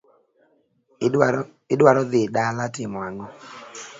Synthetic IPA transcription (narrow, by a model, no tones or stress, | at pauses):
ɪdwaɾɔðɪdalatɪmɔaŋɔ